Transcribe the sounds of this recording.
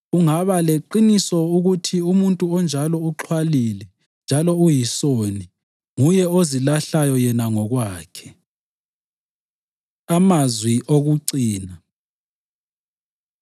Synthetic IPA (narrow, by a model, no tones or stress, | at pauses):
uŋaβaleǃinisɔuɣutʰiumuntʼuɔnd͡ʒʱalɔuǁʰwalilɛ | nd͡ʒʱalɔujisoni | ŋujɛozilaɬajɔjɛnaŋɔɣwaːkʰɛ̥ | amazwiʔoɣuǀiːna